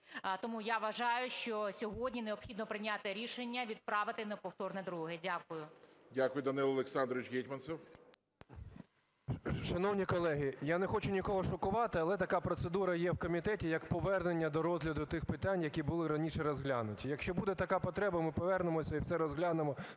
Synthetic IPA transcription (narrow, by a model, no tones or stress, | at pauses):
t̪ɔmujaʋɐʒɑjʊʃt͡ʃɔsʲɔɦɔdʲnʲineɔpxʲid̪nɔpɾɪnʲat̪ɪɾʲiʃenʲːɐʋʲid̪̚pɾɑʋɪt̪ɪnɐpɔwt̪ɔrnɛd̪ɾuɦɪdʲakʊjʊdʲakʊjʊd̪ɐnɪlˠɐlˠeksɑnd̪ɾɔʋʲɪt͡ʃɦʲitʲmɐnsɛw | ʃɐnɔwnʲikɔlˠɛɦijanɛxɔt͡ʃʊnʲikɔɦɔʃɔkʊʋɑt̪ɪɐlˠɛt̪ɐkapɾɔt̪sed̪uɾɐjɛwkɔmʲit̪ɛtʲijɐkpɔʋɛrnenʲːɐd̪ɔɾɔzʲlʲɐd̪ʊt̪ɪxpɪt̪ɑnʲjɐkʲibʊlˠɪɾɐnʲiʃɛɾɔzɦlʲanʊtʲijɐkʃt͡ʃɔbud̪ɛt̪ɐkapɔt̪ɾɛbɐmɪpɔʋɛrnemɔsʲɐiwsɛɾɔzɦlʲanemɔ